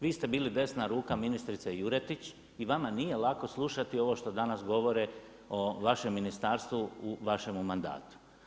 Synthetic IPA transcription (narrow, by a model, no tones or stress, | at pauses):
ʋiːst̪e̞biːlid̪e̞snaɾuːkaminist̪ɾit̪sejuɾet̪it͡ɕ | iʋamanije̞lako̞slˠuʃat̪io̞ʋo̞ʃt̪o̞d̪anasɡo̞ʋo̞ɾe | o̞ʋaʃe̞mːinist̪aːɾst̪ʋuuʋaʃe̞mumand̪a̰ːt̪u̥